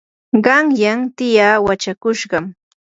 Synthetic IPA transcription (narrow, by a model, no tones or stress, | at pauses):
ɢɑŋjaŋt̪ɪjaːwat͡ʃakʊʃɢɑm